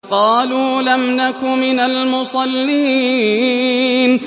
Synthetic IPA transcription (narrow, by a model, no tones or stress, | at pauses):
qɑːluːlamnakʊmɪnalmʊsˤɑlːiː | n